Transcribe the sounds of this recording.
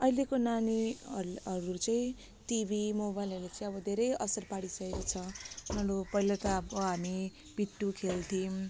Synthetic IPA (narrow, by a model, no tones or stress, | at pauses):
ʌilekonaniʌʌɾut͡sʌĩ | ʈibʱimobajlʌɾlet͡sʌj̃ʌbʌd̪ʱeɾʌjʌsʌrpaɽisʌeɾot͡sʰʌmʌɽopʌjlat̪aʌbʌɦami | b̥iʈːukʰelt̪ʰim